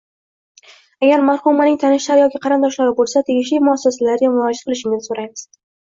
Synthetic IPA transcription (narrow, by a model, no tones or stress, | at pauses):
aɡʲaɾmaɾhʊmːanɪŋʲt̪ʰanɪʃlaɾjɒkʲɪqʰɑɾɨnd̪ɒʃlaɾɪbolˠsat̪ʰe̞ɡʲɪʃlijmʊasːasalaɾɡʲamʊɾɒd͡ʒat̪̚qʰɨlˠɪʃɪŋʲɪn̥soɾajmɪz̥